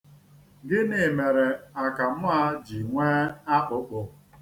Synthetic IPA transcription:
ɡɪ˦ne˨me˨ɾe˨a˨ka˨m̩˦a˦d͡ʒi˨ŋʷeː˦a˦k͡pʊ˦k͡pʊ˨

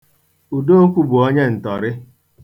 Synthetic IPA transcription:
u˨do˦o˦kʷu˦bu˨ɔ˦ɲe˦n̩˨tɔ˨ɾɪ˦

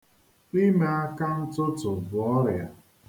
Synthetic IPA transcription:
i˦me˦a˦ka˦n̩˦tʊ˦tʊ˨bʊ˨ɔ˦ɾja˨

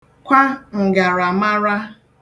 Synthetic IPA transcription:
kʷa˦ŋ̩˨ɡa˨ɾa˨ma˦ɾa˦

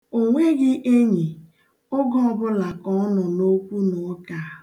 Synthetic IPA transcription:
o˨ŋʷe˦ɡɪ˦ʔe˦ɲi˨ | ʊ˦ɡɔ˦ɔ˨bʊ˦la˨kɔ˦nɔ˨no˦kʷu˦nɔ˨˦ka˨

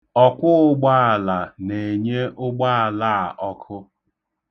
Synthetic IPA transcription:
ɔ˦kʷʊ˦ʊ˦ɡ͡ba˦a˨la˨ne˨ɲe˦ʔʊ˦ɡ͡ba˦a˨la˦˨ʔɔ˦kʰʊ˦

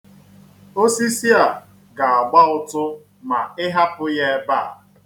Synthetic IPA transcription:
o˦si˦si˦a˨ | ɡa˨a˨ɡ͡ba˦ʊ˦tʊ˦ | ma˨ɪ˦ɦa˦pʊ˦je˦ba˦˨

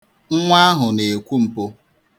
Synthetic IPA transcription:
ŋ̩˦ŋʷa˦ɦʊ˨ne˨e˨kʷu˦m̩˨po˦

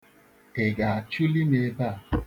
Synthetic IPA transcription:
e˨ɡa˨a˨t͡ʃu˦li˦ne˦ba˦˨

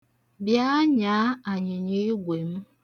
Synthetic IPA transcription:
bja˦ɲa˨˦a˨ɲɪ˨ɲi˦ɡʷe˨m̩˦

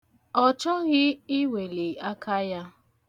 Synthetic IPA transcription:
ɔ˦t͡ʃɔ˦ɣɪ˦ɪ˦we˨le˨a˦ka˦ja˦

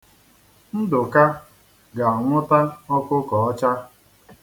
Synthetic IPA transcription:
n̩˦dʊ˨ka˦ | ɡa˨ɔ˨ŋʷʊ˦ta˦ɔ˦kʊ˦kɔ˨ɔ˦t͡ʃa˦

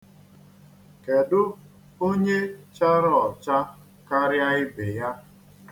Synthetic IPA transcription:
ke˨dʊ˦ | o˦ɲe˦t͡ʃa˦ɾɔ˨t͡ʃa˦ | ka˦ɾja˦ɪ˦be˨ja˦

